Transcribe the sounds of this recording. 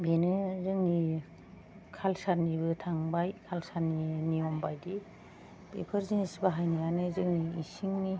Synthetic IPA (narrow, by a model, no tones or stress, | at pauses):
benɯzɯŋni | kʰalsaɾnibɯtʰaŋbajkʰalsaɾninijɔmbajdi | pḛpʰəɾzinisbaɦajnajanɯzɯŋniːsiŋni